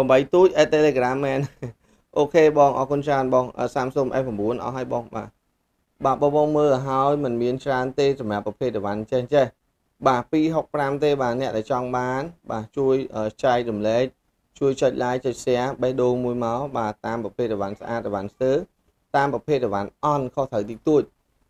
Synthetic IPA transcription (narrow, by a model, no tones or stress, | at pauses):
ɓɑmɓəjt̪uːc̚ʔaːt̪eleːkaramːɛːn | ʔoːkʰeːɓɑːŋʔɑ̰ːkunt͡ɕraənɓɑːŋʔəːsaːmsomʔa̰ːprɑmɓuənʔɑ̰hɦaəjɓɑːŋɓa̰ː | ɓaːɓɑːɓɑːŋməːlaɦaəjmɨnmiənt͡ɕraənt̪eːsɑmrapːrɑpʰeːt̪̚rɛʋanɲt͡ɕɛhɲt͡ɕɛh | ɓaːpiːɦok̚pramt̪eːɓaːnɛ̆əʔɗaɛlt͡ɕɑŋɓaːnɓaːt͡ɕuəjʔəːt͡ɕaɛk̚ɗɑmlɛːk̚ | t͡ɕuəjt͡ɕəc̚laːjt͡ɕəc̚sɛ̆əhɓəhɗoːlmuəjmaɔɓaːt̪aːmprɑpʰeːt̪̚rɛʋansəʔa̰ːt̪̚rɛʋanst̪əː | t̪aːmprɑpʰeːt̪̚rɛʋanʔɑnkʰoht̪ʰəwt̪iːt̪uəc̚